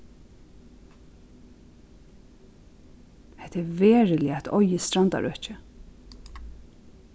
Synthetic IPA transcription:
hɛht̪ɛɾveːɹɪlɪæt̪ʰɔʏjɪst̪ɾant̪a̰ɹœ̰ht͡ʃə

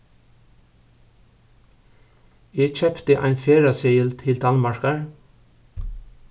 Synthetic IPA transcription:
jeːc͡çœpt̪əʔæ̰ɪnfeːɹɑsœʏəlt̪ʰɪld̪ɑnmɑɹkɑɹ

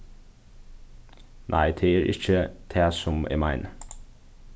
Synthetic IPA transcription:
nʔæ̰ɪd̪ʰeːeːɾʔɪ̰çəd̪̥ʰeːsɔmḛːmæɪn

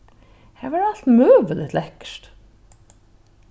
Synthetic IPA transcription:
hæːʋæɖɑlt̪møːʋəlɪt̪lɛkʃʈ

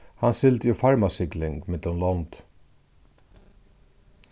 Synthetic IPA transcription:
hansɪlt̪əjufaɹmasɪklɪŋkmɪt̪lʊmlɔnd̪̥

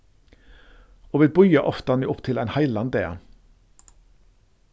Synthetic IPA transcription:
oːʋeːbʊʏəʔɔft̪əɑnɪːʊpt̪ʰɪlæɪnhɑɪlɑnd̪eːə̰

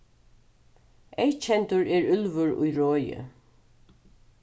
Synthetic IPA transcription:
ejt͡ʃʰɛnt̪ʊɹɛɹʏlvʊɹʊ̰jɹɔːjə̰

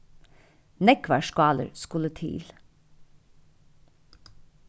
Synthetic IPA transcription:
nɛkʋæʃkɑːlə̰ɹskʉlət̪ʰḭːl

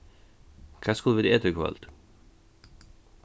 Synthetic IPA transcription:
kʰæskulˠʋɪd̪ɛːt̪əkʰʋɑ̰lt̪

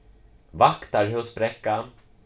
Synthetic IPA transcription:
vakt̪aɾɔspɾɛkːa

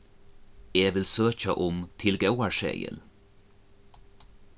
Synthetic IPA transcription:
eːʋɪlsøːçəʔɔmt̪ʰɪlɡɑʊɑɹʃḛːɡə̰l

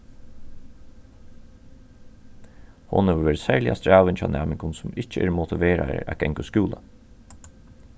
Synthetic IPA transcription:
hʊ̰nhɛʋəʋeːɾsæɹlɪʔa̰st̪ɹaːʋɪnt͡ʃʰaːnæːmɪŋkʰʊnsʊmɪt͡ʃəɛ̰ːɾmʊt̪ʰɪʋeːɾa̰ɾə̰æ̰ɡ̥ɛŋkʊskjuːla̰

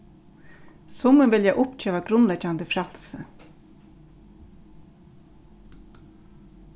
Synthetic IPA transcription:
sʊməʋɪljaʔʊpt͡ʃʰøːʋaɡɾʊnlɛd͡ʒand̪əfɾɑlsə

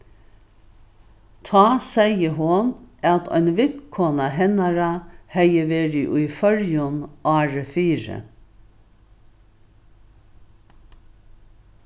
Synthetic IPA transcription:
t̪ʰɑːsæɪəɦʊnʔɑt̪ʰœ̰ɪnʋɪkʰɔnɑɦɛnɑɾɑhæɪəʋeːɾiʔʉːfœɾjʊnʔɑːɹəfiːɹə̰

